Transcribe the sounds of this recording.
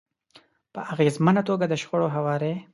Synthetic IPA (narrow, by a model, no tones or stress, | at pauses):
pəʔaɣezmənat̪oɡad̪əʃɣoɽoɦawɑːɾe